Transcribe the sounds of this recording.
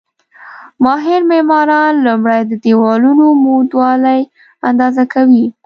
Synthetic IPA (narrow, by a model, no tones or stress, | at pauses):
mɑɦɪɾmemɑɾɑnlumɽajd̪əd̪ewɑlunomod̪wɑlaj | and̪ɑzakʰawi